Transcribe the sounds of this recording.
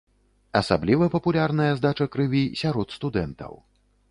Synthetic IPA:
ɐsablʲivɐpɐpulʲarnɐjɐzd̪at͡ʂɐkɾɨvʲisʲaɾɔt̪st̪ud̪ɛnt̪ɐ̰w

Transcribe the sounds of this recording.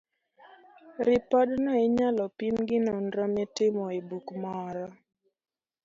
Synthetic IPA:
ɾɪpɔdnɔɪɲalɔpimɡɪnɔnɾɔmɛtɪmɔebukmɔɾɔ

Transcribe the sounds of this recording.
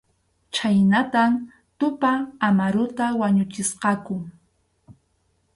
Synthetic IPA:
t͡ʃajnat̪am | t̪ʊpaːmaɾʊt̪awaɲʊt͡ʃɪsqɑkʊ

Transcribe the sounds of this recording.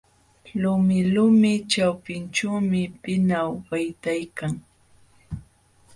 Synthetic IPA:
lʊmɪlʊmɪt͡ʃawpɪnt͡ʃawmɪpɪnawɢajt̪ajkaŋ

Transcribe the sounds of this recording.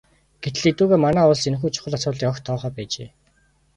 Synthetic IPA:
ɡ̥et̪ɘ̆ɮet̪uːɣeːmanæːʊɮsen̆xuːt͡ɕʰʊ̥χə̆ɮasʊːt̪ɮiːkɔxt̪ʰɔːχœːpæːt͡ɕḛː

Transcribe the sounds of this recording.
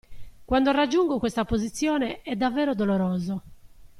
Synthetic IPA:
kwand̪orad͡ʒːuŋɡokwest̪apozit̪sːjɔːneɛd̪avːɛːɾod̪oloɾoːzo

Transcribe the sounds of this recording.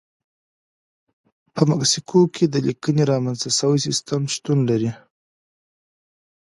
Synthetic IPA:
pəmaksikʰokʰed̪əlikəneɾɑmanzt̪asəwajsɪst̪əmʃt̪unlaɾi

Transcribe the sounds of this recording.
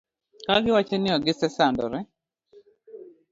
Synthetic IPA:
kaɡɪwat͡ʃɛnɪɔɡɪsɛsandɔ̰ɾɛ

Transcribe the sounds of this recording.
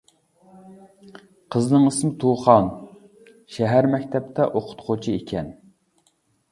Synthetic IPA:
qʰəznɨŋəsɨmt̪ʰuχɑn | ʃɛɦæɾmɛkʲt̪ʰɛp̚t̪ʰɛʔoqʰʊ̥t̪qʰot͡ʃʰiekʲʰɛn

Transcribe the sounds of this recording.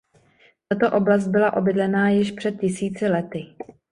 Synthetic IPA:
t̪at̪o̞ʔo̞blast̪̚bɪlaʔo̞bɪdlɛnaːjɪʃpr̝̥ɛt̪̚cɪsiːt͡sɪlɛt̪ɪ

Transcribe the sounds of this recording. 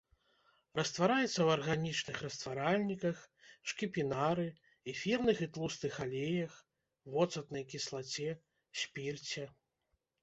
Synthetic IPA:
rɐst̪vaɾajɛt̪sːɐwɐrɣanʲit͡ʂnɨxrɐst̪vaɾalʲnʲikɐxʂkʲipʲinaɾɨ | ifʲirnɨxit̪lˠusnɨxalʲejɐx | vɔt̪sɐt̪nɐjkʲislˠat͡sʲɛ | sʲpʲirt͡sʲɛ

